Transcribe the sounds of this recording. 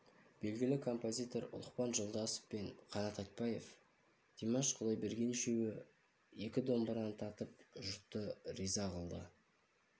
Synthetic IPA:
b̥e̞lɡʲɪlɪkʰo̞mpo̞zʲijt̪o̞ɾʊ̰lˠəqpɑnʒolˠd̪ɑsə̥fpenqʰɑnɑt̪ɑjt̪̚pɑje̞f | d̪̥imɑʃqʰʊlˠɑjbeɾɡʲe̞nʃewɪ | e̞kʲɪd̪o̞mbəɾɑnt̪ʰɑt̪əp̚ʒʊɾt̪ːəɾijzɑqəlˠd̪ə̰

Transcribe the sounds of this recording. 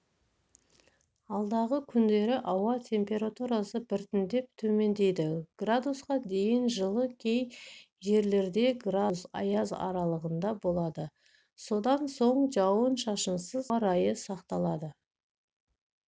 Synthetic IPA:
ɑlˠd̪ɑʁəkʲʰʏnd̪e̞ɾɪʔɑwɑt̪ʰe̞mpe̞ɾat̪uɾasəbɪɾt̪ɪnd̪e̞p̚t̪ʰɵme̞nd̪e̞jd̪ɪɡ̥rad̪usqɑd̪e̞jɪnʒəlˠəkʲʰe̞j | ʒe̞ɾle̞ɾd̪e̞ɡrasɑ̰jɑzɑ̰ɾɑlˠəʁənd̪ɑbo̞lˠɑd̪ə | so̞d̪ɑnso̞ɴʒɑwənʃɑʃənsəzɾɑjəsɑqt̪ɑlˠɑd̪ə

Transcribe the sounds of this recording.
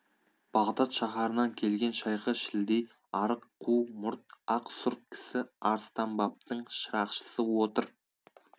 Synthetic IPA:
b̥ɑʁd̪ɑt̪ʃɑχɑɾənɑŋkʲʰe̞lɡʲe̞nʃɑjqəʃɪld̪ej | ɑɾəqʰːumʊɾt̪̚ɑqsʊɾt̪̚kʲʰɪ̥sɪɑɾst̪ɑmbɑp̚t̪əɴʃəɾɑqʃə̥səwo̞t̪əɾ

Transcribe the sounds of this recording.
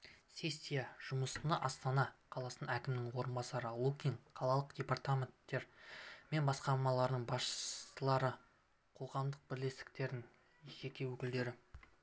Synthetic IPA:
sʲe̞sʲːijaʒ̥ʊməsənɑʔɑst̪ɑnɑqʰɑlˠɑsənɑækʲɪmnɪŋwo̞ɾənbɑsɑɾəlˠukʲiŋqʰɑlˠɑlˠəqd̪̥ʲe̞pɑrt̪amʲe̞nt̪ːe̞ɾme̞nbɑsqɑɾmɑlˠɑɾd̪əɴbɑsʃə̥səlˠɑɾə | qʰo̞ʁɑmd̪əq̚bɪɾle̞st̪ɪ̥k̚t̪e̞ɾd̪ɪŋ | ʒek̪ʲewɵkʲɪld̪e̞ɾɪ

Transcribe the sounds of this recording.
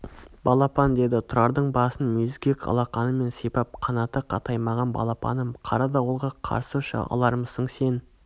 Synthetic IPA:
b̥ɑlˠɑpɑnd̪e̞d̪ɪt̪ʰʊɾɑɾd̪əɴbɑsənmɵzkʲekʰɑ̰lˠɑqɑnəme̞nsipɑp̚qʰɑnɑt̪əqʰɑt̪ɑjmɑʁɑnbɑ̰lˠɑpɑ̰nəmqʰɑɾɑd̪ɑwolˠʁɑqʰɑ̰ɾsəʃɑ̰ʔɑ̰lˠɑɾməsəɴse̞n

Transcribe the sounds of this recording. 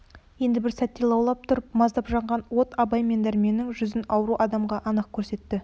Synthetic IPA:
je̞nd̪ɪbɪɾsæt̪ːelˠɑwlˠɑp̚t̪ʰʊɾəp̚mɑzd̪ɑpʒɑɴʁɑnwo̞t̪ɑbɑjme̞nd̪æɾme̞nːɪŋʒʏzɪnɑwɾuʔɑd̪ɑmʁɑʔɑnəq̚kʲʰɵɾse̞t̪ːɪ

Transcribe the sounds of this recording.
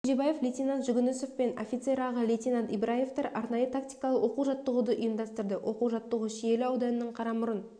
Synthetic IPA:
ʒebɑjeflʲet̪ʲinɑnt̪ʒʏɡʲʏnɪso̞fpe̞no̞̰fʲit̪se̞ɾɑʁəlʲet̪ʲinɑnt̪ibɾaje̞ft̪ɑɾʔɑɾnɑjət̪ʰakt̪ijkɑlˠəwo̞quʒɑt̪ːəʁud̪əʔʏjəmd̪ɑst̪əɾd̪əwʔo̞quʒɑt̪ːəʁəʃije̞lɪɑwd̪ɑnənəɴqʰɑɾɑmʊɾən

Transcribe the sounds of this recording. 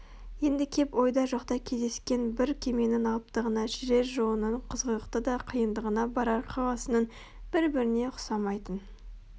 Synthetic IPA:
je̞nd̪ɪkʲʰe̞po̞jd̪ɑʒɑqt̪ɑkʲʰe̞zd̪e̞skʲe̞nbɪɾkʲʰe̞me̞nɪnɑlˠəp̚t̪əʁənɑʒɪɾe̞ɾʒoənəɴqʰəzʁəɾəqt̪əd̪ɑqʰəjənd̪əʁənɑbɑɾɑɾqʰɑʁɑsənən | b̥ɪɾbɪɾɪne̞qʰʊ̥sɑmɑjt̪ən

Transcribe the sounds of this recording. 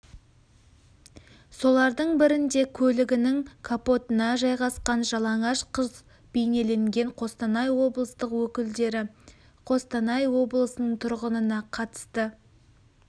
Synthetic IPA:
so̞lˠɑɾd̪əɴbɪɾɪnd̪e̞kʲʰɵlɪɡʲɪnɪŋkʰapo̞t̪ənɑʒɑjʁɑsqɑnʒɑlˠɑɴɑʃqʰəz | bejne̞le̞ŋɡʲe̞ɴqʰo̞st̪ɑnɑjwo̞blˠəst̪əqwɵkʲɪld̪eɾɪ | qʰo̞st̪ɑnɑjwo̞blˠəsənəɴt̪ʰʊɾʁənənɑqʰɑt̪ə̥st̪ə

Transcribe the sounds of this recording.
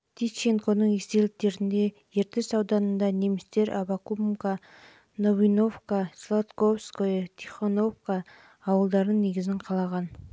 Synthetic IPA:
t̪ʰit͡ʃeŋkonəɴest̪e̞lɪk̚t̪e̞ɾɪnd̪e̞ | je̞ɾt̪esɑwd̪ɑnənd̪ɑne̞mɪst̪e̞ɾʔɑ̰bakumka | no̞vino̞fkaslˠot̪kovskojt̪ʲʰiχono̞fkaː | wəlˠd̪ɑɾəne̞ɡʲɪzɪɴqʰɑlˠɑʁɑn

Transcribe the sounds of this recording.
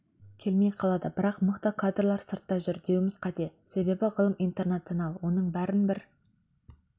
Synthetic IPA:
kʲʰe̞lmejqʰɑlˠɑd̪əbɪɾɑqməqt̪əkʰad̪rolˠɑɾsəɾt̪ːɑʒʏɾd̪e̞wɪmɪzqʰɑt̪e̞se̞be̞bɪʁəlˠəmijnt̪e̞rnat̪sionɑlˠwo̞nəɴbæɾɪnbɪɾ

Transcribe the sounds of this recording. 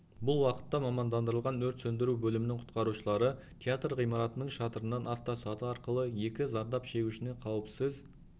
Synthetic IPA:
bʊlˠwɑqə̥t̪ːɑmɑmɑnd̪ɑnd̪əɾəlˠʁɑnɵɾt̪sɵnd̪ɪɾubɵlɪmɪnɪŋqʰʊ̥t̪qɑɾuʃəlˠɑɾə | t̪ʰʲeat̪rʁijmɑɾɑt̪ənəɴʃɑt̪əɾənːɑnaft̪osɑt̪əɑɾqəlˠəje̞kʲɪzɑɾd̪ɑpʃe̞ɡʲuʃɪne̞qʰɑwəpsəz

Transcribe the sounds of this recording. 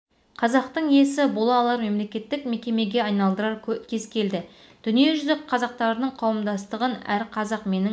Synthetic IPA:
qʰɑzɑqt̪əɴije̞sɪbolˠɑːlˠɑɾme̞mle̞kʲe̞t̪ːɪkme̞kʲe̞me̞ɡʲe̞ɑjnɑlˠd̪əɾɑɾkʲʰe̞zkʲʰe̞ld̪ɪ | d̪̥ʏnije̞ʒʏzɪk̚qʰːɑzɑq̚t̪ɑɾənəɴqʰɑwəmd̪ɑst̪əʁənæɾqʰɑzɑqme̞nɪ

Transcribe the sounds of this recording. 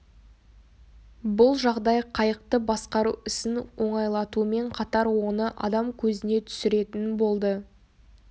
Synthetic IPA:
bʊlˠʒɑʁd̪ɑjqʰɑjəq̚t̪əbɑsqɑɾuɪsɪnwo̞ɴɑjlˠɑt̪uəme̞ɴqʰɑt̪ɑɾwo̞nəʔɑ̰d̪ɑmkʲʰɵzɪne̞t̪ʰʏ̥sɪɾe̞t̪ɪnbo̞lˠd̪ə

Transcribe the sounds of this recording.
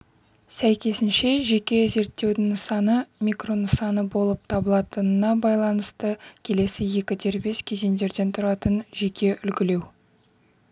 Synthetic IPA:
sæjkʲe̞sɪnʃe̞ʒe̞kʲe̞ze̞ɾt̪ːe̞wd̪ɪŋsɑnəmʲikro̞nəsɑnəbo̞lˠəp̚t̪ʰɑbəlˠɑt̪ənənɑbɑjlˠɑnəst̪əkʲʰe̞le̞sɪje̞kʲɪd̪e̞ɾbe̞skʲʰe̞ze̞nd̪e̞ɾd̪e̞nt̪ʰʊɾɑt̪ənʒe̞kʲʰe̞ʔʏlɡʲɪle̞w

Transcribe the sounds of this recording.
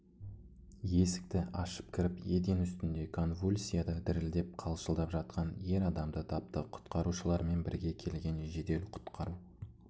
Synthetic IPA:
je̞sɪ̥k̚t̪ɪɑʃə̥p̚kʲʰɪɾɪpjed̪enʏst̪ɪnd̪e̞kʰo̞nvulʲsʲijad̪əd̪ɪɾɪld̪e̞p̚qʰɑlˠʃəlˠd̪ɑpʒɑt̪̚qʰɑnje̞ɾɑd̪ɑmd̪ət̪ʰɑp̚t̪əqʰʊ̥t̪qɑɾuʃəlˠɑɾme̞nbɪ̰ɾɡʲe̞kʲʰe̞lɡʲe̞nʒe̞d̪e̞lqʰʊ̥t̪qʰɑɾu

